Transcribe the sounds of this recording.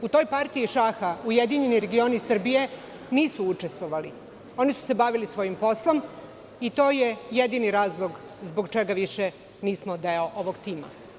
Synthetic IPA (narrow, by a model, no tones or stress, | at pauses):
ut̪o̞ːjpaɾt̪iːʃaxaujed̪iɲe̞niɾe̞ɡio̞nisr̩bije̞ | niːsuut͡ʃest̪ʋoʋali | o̞nisu̥se̞baʋilisʋo̞jimpo̞slˠo̞m | it̪o̞ːjejed̪iniɾaːzlˠo̞ɡ | zboɡt͡ʃeɡaʋiʃe | niːsmod̪eoʔoʋoɡt̪iːma̰